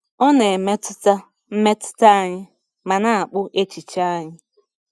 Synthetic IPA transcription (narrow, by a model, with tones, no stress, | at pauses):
ɔ˦ne˨me˦tʊ˦ta˦ | m̩˦me˦tʊ̥˦ta˦a˨ɲɪ˦ | ma˨na˦a˨k͡pʊ˦ʔe˦t͡ʃi˨t͡ʃa˦a˦ɲɪ˦